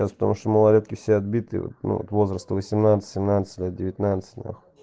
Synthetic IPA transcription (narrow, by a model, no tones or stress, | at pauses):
aspə̥t̪ɐmuʂt̪oməlˠɐlʲet̪kʲɪfsʲeɐd̪bʲit̪ɨ̰vo̰t̪nṵvo̰t̪vo̞zɾəst̪əvəsʲɪmnat̪sə̥t̪ʲsʲɪmnat̪sə̥tʲlʲet̪̚dʲɪvʲɪt̪ʲnat̪sə̥t̪ʲnʲa̰x